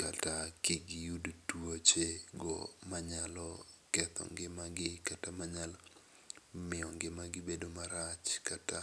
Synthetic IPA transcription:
katakɪɡɪjudtwot͡ʃeɡɔ̰maɲalɔ | kɛt̪ʰɔ̰ŋɡɪmaɡɪkatamaɲal | mɪɔŋɡɪmaɡɪbedomaɾat͡ʃkata

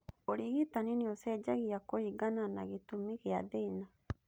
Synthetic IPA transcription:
oɾiɣitaniniosɛd͡ʒaɣiakoiɡananaɣitumiɣeaðeina

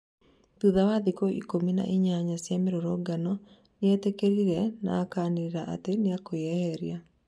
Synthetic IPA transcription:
tuðawaðikɔʔḭkomina̰ʔiɲaɲasjameɾoɾɔɡanɔ | neɛtekeɾiɾɛna̰ːkaːneɾeɾaʔa̰teneakoɛhɛɾia

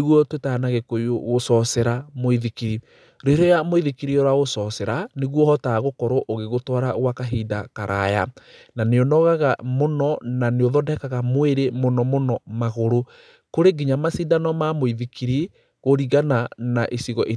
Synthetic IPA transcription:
eɣɔtwetanaɣekoioɣosɔsɛɾamoiðikiɾi | ɾeɾɔjamoiðikiɾiɔɾwaɣosɔsɛɾaneɣwɔhɔtaɣokɔɾoʔoɣeɣotɔɾaɣwakaɦiːdakaɾʔa̰ja̰naneɔnɔɣaɣamonɔnaneoðɔdɛkaɣamweɾemonɔmonɔmaɣoɾo | koɾeɡiɲamasidanɔmamoiðikiɾi | ɣoɾiɣananaʔesiɣɔʔe

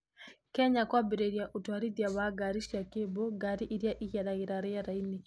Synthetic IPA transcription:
kɛɲakwabɛɾɛɾjaʔutwaɾidiaβaɡaɾiʃiakebɔɡaɾiʔiɾjaʔiɣaɗaɣiɾaɾɛjaɾaini

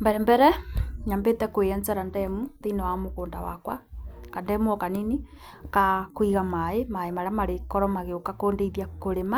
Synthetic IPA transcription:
mbɛɾɛmbɛɾɛɲambetɛkweɛnt͡sɛɾandɛmutenɔwamokoːndawa̰kwa̰kandɛmuɔkanini | kakwiɣamaemaemaɾeamaɾekɔɾɔmaɣeokakoːndeiðjakoɾema

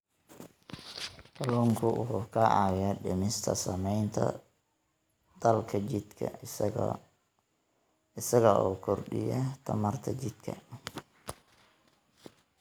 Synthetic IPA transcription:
t̪ɐluːŋkʰʊʔʊhkʰɐʔɑ̰wɪjaɖɪmɪst̪ʰɐ̰sɐmɛjnt̪ʰɐ̰ | d̪̥ɐlkʰɐɪd̪kʰɐ̰ | ɪsɐɣɐʔɔːkʰɔrɖɪ̰jɐt̪ʰɐ̰mɐrt̪ʰɐt͡ʃɪd̪̥kʰɐ̰

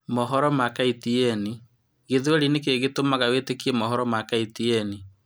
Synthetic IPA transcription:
mɔɦɔɾɔmakaitiɛni | ɣeðwɛɾinek̬eɣetomaɣawetekiɛmɔɦɔɾɔmakaitiɛni

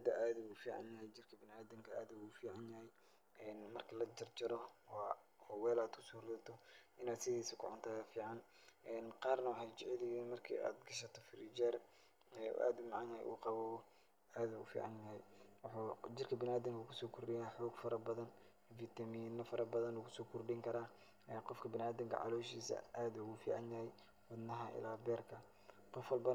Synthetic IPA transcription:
d̪ɐʔaːðɐuːfiːʕɑ̰njɐɦɛjt͡ʃɪrkʰɐbɪnaːd̪ɪŋkʰɐʔaːðɐufiːʕɑnjɐhɛj | ɛːnmɐrkʰɐlɐd͡ʒɐrd͡ʒɐɾɔwɑː | hɔwɛːlaːd̪kʰʊsɔːrɪðɐt̪ʰɔʔɪnaːd̪sɪðiːsɪkʰʊ̰ʕʊnt̪ʰaːjɐfiːʕɑn | ɛːnqɑːrnɐwħad͡ʒɪʕɪlɪɣinmɐrkʰḭːʔa̰ːd̪ɡɐʃɐt̪ʰɔfɪɾid͡ʒɛr | ɛ̰ʔa̰ːd̪ʊmɑʕɑnɐhɛ̰ʔṵːqɑβɔː | aːd̪ʊɣʊ̰fḭːʕɑ̰njɐɦɛjwɑħud͡ʒɪrkʰɐbɪnaːd̪ɪŋkʰʊkʰʊsɔːkʰʊrɖɪjaːħɔːɡfɐɾɐbɐðɐn | fiːt̪ʰɐmiːnɐfɐɾɐbɐðɐnukʰʊsɔːkʰʊrɖɪŋkʰɐɾaː | ɛːqɔfkʰɐbɪnaːd̪ɪŋkʰɐ̰ʕɑ̰lɔːʃiːsɐ̰ʔaːd̪ʊɣʊfḭːʕɑ̰njɐhɛj | wɐd̪nɐɦɐʔɪ̰laːbɛːrkʰɐ | qɔfwɐlbɐ

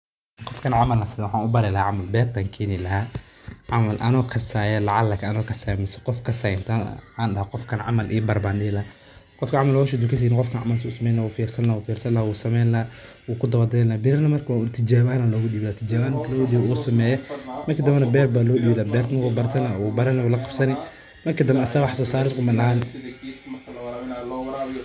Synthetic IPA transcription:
qɔfkʰɐnʕamɐlnɐsɪðwħaːnʊbɐɾɛlɐhaːʕamɐlbɛːrt̪ʰaːŋkʰɛːnɪlɐɦaː | ʕamɐlʔɐnɔːkʰɐsaːjɐlɐʕalɐkʰɐnɔːkʰɐsaːjmɪsɐ̥qɔfkʰɐsajnt̪ʰaaːnɗɐhaqɔfkʰɐnʕɑ̰mɐlʔiːbɐrbaːnɗɪlɐa | qɔfkʰɐʕɑmɐlwaʃ̬ʊd̪ʊkɐs̬iːnɪqɔfkʰɐnʕɑ̰mɐlsʊsɐmɛːjlawuːfiːrsɐnlɐwuːfiːrsɐnlawuːsɐmɛːnlɐ | wuːkʰʊd̪ɐwɐd̪ɛlɐːbɪlɐrnɐmɐrkʰːt̪ʰɪd͡ʒaːβaːnɐlɔːɣʊɗiβɪlaːt̪ʰɪd͡ʒaːβaːnmɐrkʰɐlɔːɣʊɗiβɪuːsɐmɛːjɐmɐrkʰid̪ɐmbɛnɐbɛːrbaːlɔːɗibɪlaːbɛːrt̪nɐkuːbɐrt̪ʰɐnɐwuːbɐɾɐnɛwulɐqɑb̥sɐnɪ | mɐrkʰid̪ɐmbɛɐsɐwɑħsɔːsaːɾɪskʊmɐnɐhaːn

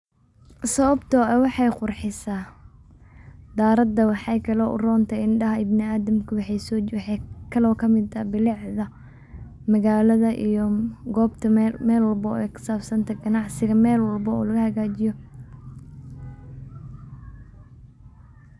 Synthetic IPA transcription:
sɐβɐbt̪ʰɔɛwɑħɑjqʊrħɪsaː | d̪aːɾɐd̪ɐwɑħɑjkʰɐlɔʔʊ̰rɔːnt̪ʰɛɪnɖɐɦɐɪbnɪaːðɐmkʰʊwɑħɑjsɔːkʰɐlɔːkʰɐmɪd̪ɐbɪlɪʕðɐ | mɐɣaːlɐðɐʔijɔɡɔːbt̪ʰɐmɛːlwɐlbɔɛkʰʊ̥saːbsɐnt̪ʰɐɡɐnɑʕsɪɣɐmɛːlwɐlbɔɔ̰ːlɐɣɐhɐɣaːt͡ʃɪjɔ

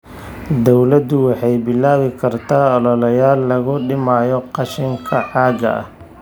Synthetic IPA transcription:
d̪ɔwlɐd̪ʊwɑħɑjbɪlːaːwɪkʰɐrt̪ʰaːɔlɔlɐjaːlːɐɣʊɖɪmaːjɔqɑʃɪŋkʰɐħɑːɡɐ̰ʔɐ̰h

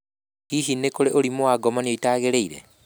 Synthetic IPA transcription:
hiʃinːekoɾeʔoɾimoaɡɔmanijoitaːɣeɾeiɾḛ

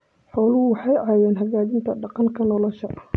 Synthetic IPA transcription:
ħɔːlʊʊwɑħɑjʕɑːjɛːnɦɐɣaːɪnt̪ʰɐɖɑqɑŋkʰɐnɔlɔʃɐʔ

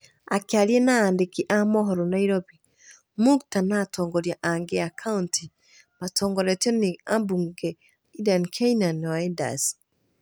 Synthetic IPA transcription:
akealjenaːndekiʔamɔɦɔɾɔnaiɾɔbi | muktanatʰɔːŋɡɔɾjaʔaŋɡeakʰaunti | matɔːŋɡɔɾɛtɔneambuŋɡɛ | idankʰainanaɛnda̰s

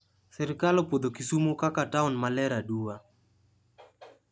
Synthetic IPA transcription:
sɪɾkalɔpod̪okisumokakataunmalɛɾaduwa

